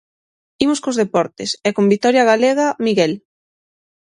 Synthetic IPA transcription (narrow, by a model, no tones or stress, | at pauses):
imoskozðepɔɾt̪ɪsɛkombit̪ɔɾjɐɣaleɣamiɣɛl